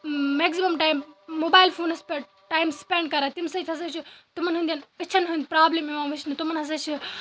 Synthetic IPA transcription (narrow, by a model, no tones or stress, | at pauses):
meːkzimɐmʈaːimːoːbaːilfʰoːnspe | ʈaːimspeːɳɖkɐɾaːt̪imsɐt̪ʰʲɐs̬ɐt͡ʃʰit̪umɐnɦund̪jɐnɐt͡ʃʰɐnɦũnd̪ʲpɾaːblemiʋãːʋɨʃnɨt̪umɐnɦɐs̬ɐt͡ʃʰi